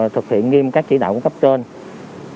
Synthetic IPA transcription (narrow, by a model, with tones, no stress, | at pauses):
t̪ʰɨ˨˩k̚hḭ˧˨ənŋi˧mkaː˦˥k̚t͡ɕḭ˧˩ɗa̰ː˧˨ku˧˥˦kə˦˥p̚t͡ɕəː˧n